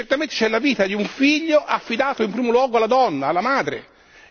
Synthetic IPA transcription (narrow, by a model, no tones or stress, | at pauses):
t͡ʃert̪ament̪e̥t͡ʃɛlːaviːt̪ad̪iuɱfiʎːoʔafːid̪aːt̪oimpɾiːmolwɔːɡoalːad̪ɔnːaːlːamaːd̪ɾḛ